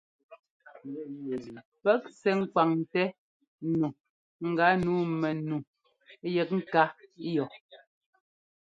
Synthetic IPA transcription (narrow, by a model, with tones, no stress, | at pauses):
pɛ˦k̚sɛ˨ŋ̩˦ka˨ŋ˨tɛ˦ | nu˨ | ŋ̩˨ɡa˨˦nuː˨˦mɛ˨nu˨˦ | jɛ˨k̚ŋ̩˦ka˦jɔ˨